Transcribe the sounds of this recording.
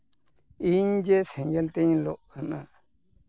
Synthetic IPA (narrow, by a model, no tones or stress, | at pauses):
iɲd͡ʒesẽŋɡelt̪eɲĩloʔkanã